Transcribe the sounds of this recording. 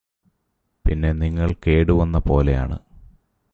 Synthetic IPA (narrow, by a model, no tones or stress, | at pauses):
pinːe̞niŋːɐɭke̞ːɽuʋɐnːɐpo̞̰ːle̞ja̰ːɳɨ̰